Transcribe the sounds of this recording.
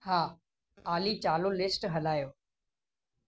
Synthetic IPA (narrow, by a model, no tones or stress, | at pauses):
haː | aːlit͡ɕaːlolɪsʈɦɐlaːjoː